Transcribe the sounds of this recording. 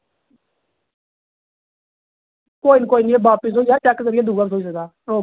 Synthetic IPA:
koːiːnkoːiːniebaːpisoːijaːt͡ʃɛkːzəɾɪjaːd̪uːɡaːbsoːis̬əkd̪aː | oː

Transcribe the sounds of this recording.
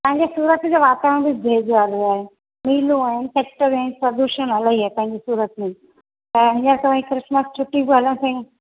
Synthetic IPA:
pɐ̃ɦɪ̃ɲd͡ʑesuːɾət̪d͡ʑoʋaːt̪aə̃bɪbʱeːd͡ʑoaːleaːɦe | miːlũaːɦɪnɪpeːk̚ʈəɾaɦɪnpɾɐd̪uʃənɐlaːɦiɦɛpɐ̃ɦɪ̃ɲd͡ʑisuːɾət̪mẽ | t̪ɐɦɪ̃ɲəɾkɐʋãkɾɪsməst͡ɕʰʊʈibɪɦɐlə̃t̪ʰẽ

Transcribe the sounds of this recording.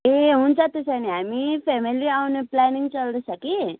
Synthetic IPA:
eunt͡sat̪əsaniamifɛmiliawunplaniŋɡt͡salləsaki

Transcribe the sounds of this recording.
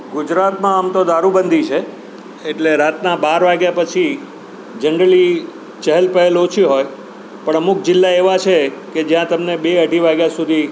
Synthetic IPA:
ɡʊd͡ʒɾat̪mãːmt̪od̪aɾubənd̪ʱit͡ʃʰe | eʈleɾat̪nabaɾʋaɡjapət͡ʃʰi | d͡ʒəɳɖəli | t͡ʃəɦɛlpəɦelot͡ʃʰiɦoj | pəɳəmuk̚d͡ʒɪlːaeʋat͡ʃʰeked͡ʒjãt̪əmnebeəɖʱiʋaɡjasud̪ʱi

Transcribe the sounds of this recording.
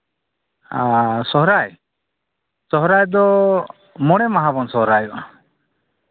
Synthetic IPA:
asɔɦɾaj | sɔɦɾajd̪ɔ | mɔɽɛmaɦabɔnsɔɦɾajɔʔ

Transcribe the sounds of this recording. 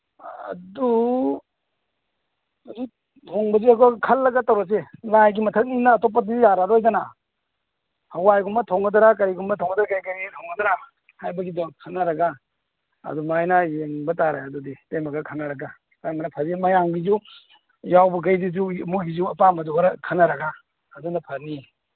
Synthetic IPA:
ɐ̰du | u | tʰoŋbɐziɐkɔkʰɐlːɐɡatawɾɔselajɡimɐtʰɐt̚ninaːtɔp̬ːaijaɾaɾojdɐna | hɐwajɡumbɐtʰɔŋɡɐdɐɾakɐɾiɡumbɐtʰɔŋɡɐdaɾakajkɐɾitʰɔŋɡɐdɾa | hajbɐɡidɔŋkʰɐnɐɾɐɡa | ɐ̰dumajnɐjeŋbɐtaɾaɐduditejmɐɡɐkʰanɐɾɐɡa | kajmɐnɐpʰɐɾimɐjaŋbizu | jawbɐk̬ɐjdizumuɦizuɐpamɐduɾkʰɐnɐɾɐɡaː | dunɐpʰɐɾni

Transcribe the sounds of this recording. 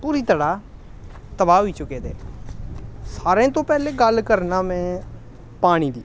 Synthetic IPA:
puːɾiːt̪əɽaː | t̪əbaːɦoiːt͡ʃʊkeːd̪eː | saːɾẽːt̪õːpɛːleːɡəlkəɾnaːmɛ̃ː | paːɽ̃iːd̪iː

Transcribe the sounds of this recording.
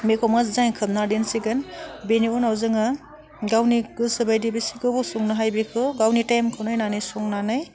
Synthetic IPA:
mekʰɔmazzaŋkʰɯm̚nadensiɡɯnbeniɔnawzɯŋa | ɡawniɡɯsɯbajdibisiɡɯbusɔŋnaɦajbikʰɯɡawnitajmkʰɯwnajnanɯjsɔŋnanɯj

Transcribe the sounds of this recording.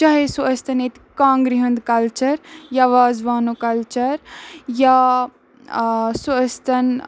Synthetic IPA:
t͡ʃaɦesuɐst̪ɐnet̪ikãːŋɡɾiɦɐnd̪kɐlt͡ʃɐɾjaʋaːzʋaːnukɐlt͡ʃɐɾja | suəst̪ɐn

